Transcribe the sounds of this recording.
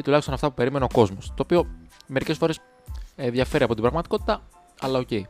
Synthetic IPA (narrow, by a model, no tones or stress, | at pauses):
it̪ulɐçist̪onɐft̪ɐpupe̞ɾime̞neoko̞zmo̞st̪oːpio̞me̞ɾice̞sfo̞ɾe̞s | eðjɐfe̞ɾiɐpo̞t̪ibɾɐɣmɐt̪i̥ko̞t̪i̥t̪ɐ | ɐlɐocei